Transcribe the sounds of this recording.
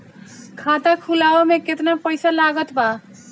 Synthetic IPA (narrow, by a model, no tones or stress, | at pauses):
kʰat̪akʰulaʋameket̪napəjsalaɡət̪ba